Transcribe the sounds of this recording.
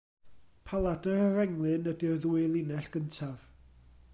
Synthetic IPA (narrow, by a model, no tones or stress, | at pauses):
pʰalˠadəɾəɾɛŋlˠɨnədirðuɨlˠinɛɬɡ̥əntʰav̥